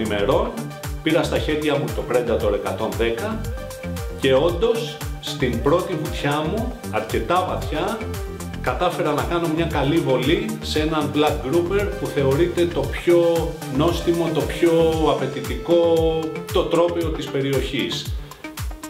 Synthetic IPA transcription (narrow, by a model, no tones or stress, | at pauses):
ime̞ɾo̞n | piɾɐst̪ɐçe̞ɾʝɐmut̪o̞pɾe̞nd̪ɐt̪o̞ne̞kɐt̪o̞nðe̞kɐ | ce̞o̞nd̪o̞sːt̪imbɾo̞t̪ivut̪çɐmu | ɐɾce̞t̪ɐvɐθçɐ | kɐt̪ɐfe̞ɾɐnɐkɐno̞mɲɐkɐlivo̞lise̞nɐnblɐk̚ɡɾupe̞ɾpuθe̞o̞ɾit̪e̞t̪o̞pço̞ | no̞st̪imo̞t̪o̞pço̞ɐpe̞t̪it̪iko̞t̪ot̪ɾo̞peo̞t̪ispe̞ɾio̞çis